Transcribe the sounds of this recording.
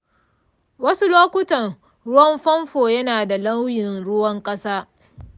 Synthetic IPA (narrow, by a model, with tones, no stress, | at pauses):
wɐ˦su˦loː˦kʷʊ˦tɐ˨r | ɽʊ˦wɐ˦mɸɐ˦mɸoː˨jɐ˦naː˨da˨lɐ˦wjɪ˨nɽʊ˦wɐ˦ŋkʼɐ˦saː˦